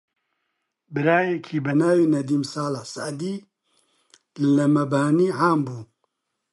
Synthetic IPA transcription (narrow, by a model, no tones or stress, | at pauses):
bɨɾaːjɛkʰiːbɛnaːwiːnɐd̪iːmsaːlaħsaʔd̪iː | lɐmɐbaːniːʕaːmbuː